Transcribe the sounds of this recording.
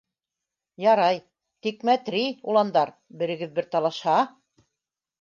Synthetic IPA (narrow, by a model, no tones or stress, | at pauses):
jɑɾɑj | t̪ikmæt̪ɾiulˠɑnd̪ɑɾ | bɘ̆ɾɘ̆ɡɘðbɘɾt̪ɑlˠɑʃhɑ